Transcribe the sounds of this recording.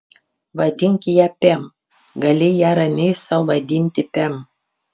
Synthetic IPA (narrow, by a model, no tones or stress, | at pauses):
ʋɐd̪ʲɪŋʲkʲɪjæːpʲɛm | ɡɐlʲɪjæːɾɐmʲɛɪsɐlˠʋɐd̪ʲɪnʲt̪ʲɪpʲɛm